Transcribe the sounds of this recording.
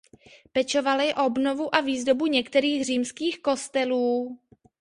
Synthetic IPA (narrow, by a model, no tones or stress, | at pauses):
pɛt͡ʃo̞valɪʔo̞bnovuʔaviːzdo̞buɲɛkt̪ɛɾiːxr̝iːmskiːxko̞st̪ɛluː